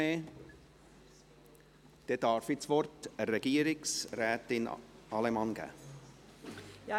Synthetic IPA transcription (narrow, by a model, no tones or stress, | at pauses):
eː | d̥ed̥ɑɾfɪsvɔrtəɾɛɡ̥iːəɾɪksrɛːtɪnɑlɛmɑnɡ̥æ̰